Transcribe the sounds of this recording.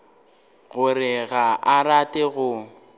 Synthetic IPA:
ɣʊrɪɣaʔaratʼɪɣʊ

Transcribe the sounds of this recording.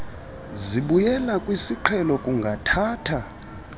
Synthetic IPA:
ziɓujɛlakʼwisiǃʰɛlɔkʼuŋɡʱatʰaːtʰa

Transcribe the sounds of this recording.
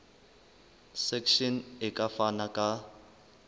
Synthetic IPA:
sɛkʰʃɔnɪkʼafanakʼa

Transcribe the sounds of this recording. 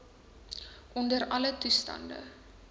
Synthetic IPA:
ʔɔndəɾɐlətustɐ̰ndə̰

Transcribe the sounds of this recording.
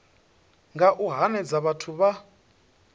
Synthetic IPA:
ŋɡaʔuɦanɛd͡zaβatʰuβa

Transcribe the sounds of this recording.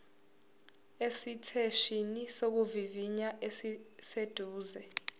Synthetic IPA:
esitʰeʃinisok̬uviviɲaʔesised̥ʱuːzɛ

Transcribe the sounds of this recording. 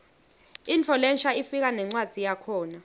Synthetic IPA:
int͡fʰɔlɛnʃaifik̬anɛŋ͡ǀwad̥z̥ʱijakʰɔːna

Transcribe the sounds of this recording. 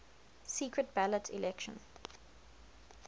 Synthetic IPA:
siːkɹət̚b̥ælətʰḭlɛkʃə̰̃n

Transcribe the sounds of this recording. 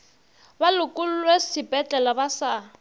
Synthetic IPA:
balʊkʼʊl̩lwesɪbʼɛt͡ɬʼɛlɔbasa

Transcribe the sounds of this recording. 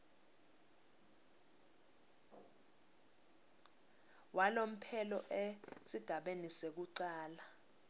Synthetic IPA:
wʔalom̩pʰɛlɔʔesiɡ̥ʱaɓenisek̬uǀaːla

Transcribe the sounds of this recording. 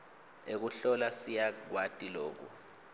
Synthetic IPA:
ek̬uɬɔlasijaɡwatʼiloːk̬ṵ

